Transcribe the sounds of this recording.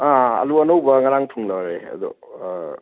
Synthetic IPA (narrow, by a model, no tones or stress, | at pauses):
aɐ̰luɐnowbɐŋɐɾaŋtʰuŋlawɾḛɐ̰d̪ṵ